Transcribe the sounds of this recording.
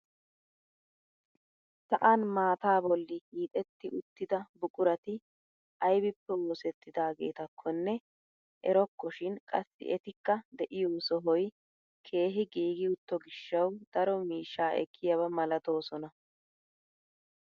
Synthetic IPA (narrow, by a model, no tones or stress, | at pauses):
sɐʔanmaːt̪aːbɔlːɪhiːt̪ʼɛt̪ːɪʔʊt̪ːɪd̪ɐbʊkʼʊɾɐt̪ɪ | ʔɐjbɪpːɛwoːsɛt̪ːɪd̪aːɡe̞̰ːt̪ɐkʰːɔnːɛ | ʔɛ̰ɾɔkːɔʃɪnkʼɐsːɪ̰ʔɛt̪ɪkːɐd̪ɛʔɪjoːsɔɦɔj | kʰe̞ːɦɪɡiːɡɪʊt̪ːɔɡɪʃːɐwd̪̥ɐɾɔmiːʃːaːʔɛ̰kʰːɪjɐbɐmɐlɐt̪o̞ːsɔnɐ